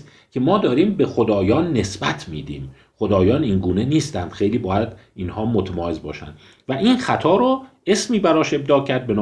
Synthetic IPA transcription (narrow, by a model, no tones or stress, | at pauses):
kʲʰe̞mɒːd̪ɒːɾiːmbe̞xod̪ɒːjɒːnːe̞sbæt̪ʰmiːd̪iːm | χod̪ɒːjɒːniŋɡuːne̞niːst̪ænd̪̥xe̞jliːbɒːjæd̪iːnhɒːmot̪ʰmɒːezbɒːʃæ̰nd̪ | væʔiːnxæt̪ʰɒːɾo | e̞smiːbæɾɒːʃe̞b̚d̪ɒːcʰæɾd̪̚be̞nː